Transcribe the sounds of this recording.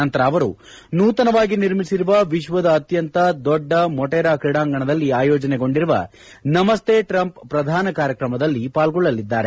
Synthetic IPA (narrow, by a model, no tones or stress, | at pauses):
ɐnt̪ɐɾɐːʋɐɾṵ | nuːt̪ɐnɐʋaːɡiniɾmisiɾuʋɐʋiʃʋɐd̪ɐːt̪jɐnt̪ɐd̪ɔɖːɐmɔʈɛːɾaːkɾiɽaːŋɡɐɳɐd̪ɐlːiaːjɔːd͡ʒɐneɡo̞ɳɖiɾuʋɐ̰ | nɐmɐst̪ʰeːʈɾɐmppɾɐd̪ʱaːnɐkaːɾjɐkɾɐmɐd̪ɐlːipaːlɡɔɭːɐlid̪ːaːɾe